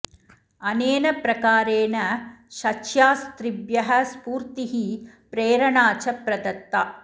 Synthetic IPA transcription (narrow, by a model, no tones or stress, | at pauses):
ɐneːnɐpɾɐkaːɾeːnɐʃɐt͡ʃjaːst̪ɾibjɐɦɐ̆spuːɾt̪iɦi | pɾeːɾɐɳaːt͡ʃɐpɾɐd̪ɐt̪ːa